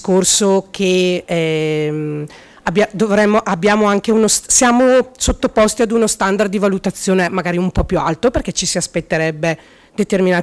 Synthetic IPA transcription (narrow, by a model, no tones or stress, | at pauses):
korsokʰeɛm | abːjad̪ovɾɛmːoʔabːjaːmoaŋkeunossjaːmosot̪ːopɔst̪iad̪unost̪and̪ard̪ːivalut̪at̪sːjoːnemaɡaːɾiumpɔpjualt̪operk̟ɛt͡ʃːisiaspet̪ːeɾɛbːe | d̪et̪erminaː